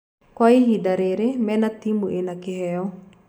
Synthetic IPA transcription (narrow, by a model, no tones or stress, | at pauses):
kwaiɦid̪aɾeɾemɛnat̪imuʔenakeɦɛɔ